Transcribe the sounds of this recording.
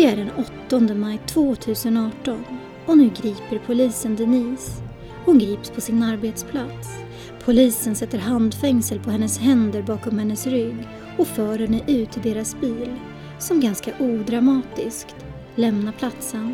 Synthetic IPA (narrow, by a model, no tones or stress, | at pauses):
d̪̥ɛæɖɛnɔt̪ːɔnd̪əmajt̪ʰv̥oːt̪ʰʉ̟ːsənɑːʈɔn | ɔnʉ̟ːɡɾiːpəɾpʰʊliːsənd̪ɛniːs | hʊnɡɾiːpspʰɔsɪnaɾbeːt̪spʰlat̪s | pʰʊliːsənsɛt̪ːəɾɦand̪fɛŋsəlpʰɔhɛnːəshɛnd̪əɾbɑːkɔmhɛnːəsɾʏɡː | ɔfœːɾɛnːəʔʉ̟ːt̪ʰɪd̪eːɾasbiːl | sɔmɡanskaʔuːd̪ɾamɑːt̪ɪskt̪ | lɛmnapʰlat̪sən